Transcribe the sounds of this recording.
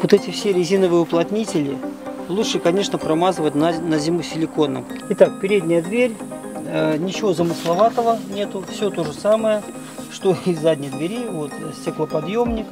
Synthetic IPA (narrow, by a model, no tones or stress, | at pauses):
vot̪ɛtʲɪfsʲeɾʲɪzʲinəvɨjəʊplˠɐtʲnʲitʲɪlʲɪlˠutʂɨkɐnʲe̞ʂnəpɾɐmazɨvət̚ʲnnəzʲɪmusʲɪlʲɪko̞nːə̰m | ɪt̪ak̚pʲɪɾʲedʲnʲɪjəd̪vʲeɾʲ | ənʲɪt͡ɕɪvo̞zəmɨslˠɐvat̪əvənʲe̞t̪ʊfsʲo̞t̪o̞ʐɨsaməjə | ʂt̪o̞ɪzzːadʲnʲɪjd̪vʲɪɾʲivo̞t̪sʲtʲeklˠəpɐd̪jo̞mnʲɪk